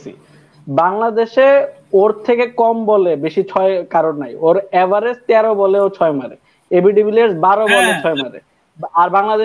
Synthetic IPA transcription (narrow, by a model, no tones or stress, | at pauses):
sḭ | baŋlad̪eʃe | oɾt̪ʰekekɔmbɔlebeʃit͡ɕʰɔekaɾonːajoɾɛvaɾest̪ɛɾobɔleot͡ɕʰɔemaɾḛ | ebiɖibileɖsbaɾobɔlet͡ɕʰɔemaɾḛ | aɾbaŋlad̪e